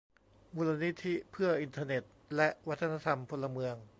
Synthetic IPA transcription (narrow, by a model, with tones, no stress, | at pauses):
muː˧la˧ni˦˥t̪ʰːi˦˥pʰɯ˥˩ɐʔi˧nt̪ʰaː˧ne˨˩t̪̚lɛ˦˥ʔwa˦˥t̪ʰːa˧na˧t̪ʰa˧mpʰo˧lːa˧mɯ˧əŋ